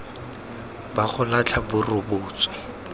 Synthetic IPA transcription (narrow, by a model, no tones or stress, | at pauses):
baχʊlat͡ɬʰabʊrʊbʊːt͡sɔ̥